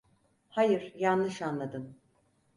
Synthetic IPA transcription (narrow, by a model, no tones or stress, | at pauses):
hajɯɾjanlɯʃanlˠad̪ɯn